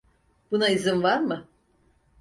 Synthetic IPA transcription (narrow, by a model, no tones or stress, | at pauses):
b̥unaizɯnvaɾmɯ